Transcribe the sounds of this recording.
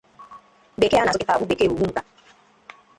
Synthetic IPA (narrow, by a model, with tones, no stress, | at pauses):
be˨ke˦a˦a˨ʊ˦kɪ˦ta˨bu˦be˨ke˦˨u˨ɡu˦ŋ̩˦ka˨